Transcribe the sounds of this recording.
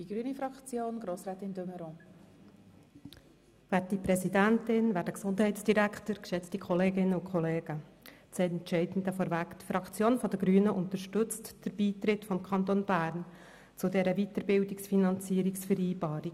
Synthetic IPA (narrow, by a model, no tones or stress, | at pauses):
d̥iɡ̥ɾyːnifɾɑkt͡sjoːnɡɾoːsɾɛːt̪ɪndøməɾɔ̃ | væːtdipɾɛzidæntɪnvæːɾdəksʊndɦɛɪtt͡ssd̥iɾæktəɾkʃɛt͡stikχɔleːɡɪnːəʊkʰχɔleːɡət͡sɛntt͡ʃɛɪdn̩d̪əfɔɾvækt̪fɾɑkt͡sjoːnfɔdəɡɾyːənəʔʊnt̪əɾʃtɵt͡std̥əɾb̥iːt̪ɾɪtfɔmkʰɑntonbæːɾn | t͡sʊdɛɾəvitəɾbɪldiksfinɑnt͡siːəɾiksfəɾiːbɑːɾik